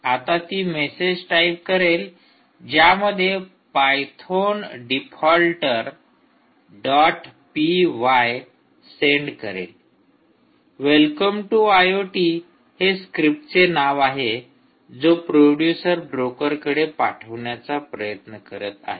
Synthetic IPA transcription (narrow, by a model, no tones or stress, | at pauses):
at̪at̪iːmesed͡ʑʈajp̚kəɾel | d͡ʑjaməd̪ʱːje | pajt̪ʰonɖipʰɔlʈəɾ | ɖɔʈpiʋaj | seɳɖkəɾḛl | ʋelkəmʈuajoʈi | heskɾip̚ʈt͡senaʋaɦe | d͡zopɾoɖjusəɾbɾokəɾkəɽepa̰ʈʰəʋɳjat͡sapɾəjət̪nəkəɾət̪a̰ɦe